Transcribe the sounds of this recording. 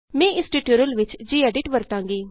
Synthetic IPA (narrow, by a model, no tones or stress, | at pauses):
mɛ̃ːɪsʈiʈuːɾəlʋɪt͡ʃd͡ʒiːɛːɖɪʈʋəɾt̪ãːŋɡiː